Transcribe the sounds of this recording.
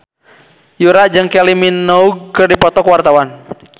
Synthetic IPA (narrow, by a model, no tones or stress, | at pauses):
juɾad͡ʒɨŋkɛliminɔuɡ̚kɨrdipɔt̪ɔkwart̪awan